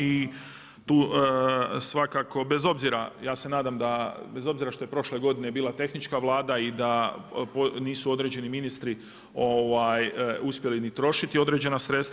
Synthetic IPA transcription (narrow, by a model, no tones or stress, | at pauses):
i | t̪uː | sʋakako̞be̞zo̞bziɾajaːse̞naːd̪amd̪abe̞zo̞bziɾaʃt̪o̞je̞pɾo̞ʃle̞ɡo̞d̪ine̞biːlat̪e̞xnit͡ʃkaʋlˠaːd̪aid̪aponiːsuo̞d̪ɾe̞d͡ʑe̞niminist̪ɾi | o̞ʋajuspje̞linit̪ɾo̞ʃit̪io̞d̪ɾe̞d͡ʑe̞nasɾe̞t̪st̪a